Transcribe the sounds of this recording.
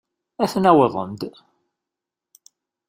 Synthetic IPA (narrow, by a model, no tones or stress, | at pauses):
æθnæwɪðˤə̰nd̪